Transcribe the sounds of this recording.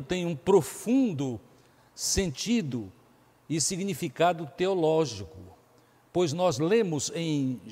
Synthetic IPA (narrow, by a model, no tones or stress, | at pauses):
t̪ẽj̃ũpɾofũnd̪ʊ | sẽnt͡ʃid̪ʊ | ɪsiɡnifikad̪ʊt̪eolɔʒikʊ | pojznɔzlẽmʊzẽj̃